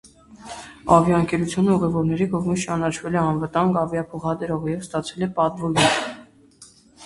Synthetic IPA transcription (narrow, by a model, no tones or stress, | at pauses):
ɑvjɑəŋkɛɾut͡sʰjunəuʁɛvɔɾnɛɾikɔʁmit͡ʃɑnɑt͡ʃʰvɛlɛɑnvət̪ɑŋɡɑvjɑpʰɔχɑd̪əɾɔʁɛjɛvst̪ɑt͡sʰɛlɛpɑt̪vɔjun